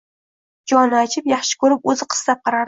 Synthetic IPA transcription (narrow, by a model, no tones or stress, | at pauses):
d͡ʒɒnɪat͡ʃʰɪpjɑχʃɪ̥kʲʰɵɾɪpɵzɪqʰɨ̥slap̚qʰɑɾaɾ